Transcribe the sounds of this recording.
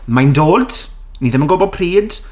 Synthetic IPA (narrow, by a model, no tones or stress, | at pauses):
majndoːd̥ | niðɪmənɡobɔd̚pʰriːd̥